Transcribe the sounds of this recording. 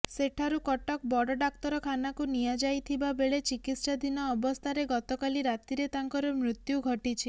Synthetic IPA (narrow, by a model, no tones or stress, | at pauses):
seʈʰaɾukɔʈɔk̚bɔɽɔɖak̚t̪ɔɾɔkʰanakunijad͡ʒajt̪ʰibabeɭet͡ʃikit̪sad̪inɔːbɔst̪ʰaɾeɡɔt̪ɔkaliɾat̪iɾet̪aŋkɔɾɔmɾut̪juɡʱɔʈit͡ʃʰi